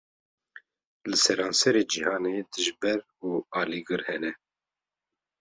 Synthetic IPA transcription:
lɨsɛɾɑːnsɛɾeːd͡ʒihɑːneːd̪ɨʒbɛɾ | uːɑːliɡɨɾhɛnɛ

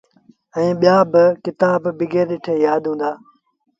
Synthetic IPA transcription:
ɛ̃ːɓijaːbɪkɪt̪ãːbbɪɡʱeːɾɗɪʈʰeːjaːd̪ʱɦũːnd̪aː

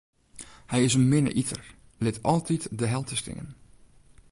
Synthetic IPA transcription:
hɛjɪsənmɪnə̰ʔitʰər | lɪtʰɔlˠtʰitdəɦɛlˠtʰəstɪ̰ŋə̰n

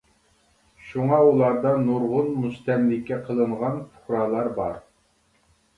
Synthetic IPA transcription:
ʃuŋɑulˠɑɾd̪ɑnuɾʁʊnmud͡ʒt̪ʰɛmlɪkʲʰːɛqʰəlˠɨɴʁɑnpʰʊ̥χɾɑːlˠɑɾbɑɾ

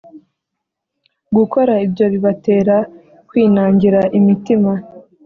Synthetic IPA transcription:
ɡuko̞ɾaibjo̞βiβate̞ːɾa | kwiːnaːɲɟiɾaʔimitima

